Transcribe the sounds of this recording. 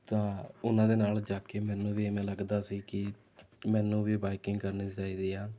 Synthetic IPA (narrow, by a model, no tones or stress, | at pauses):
t̪ãːʊnãːd̪eːnaːld͡ʒaːkeːmɛ̃ːnũːʋiːemẽːləɡd̪aːsiːkɪ | mɛːnũːʋiːbaːɪkɪŋɡkəɾniːt͡ʃaːiːd̪iːaː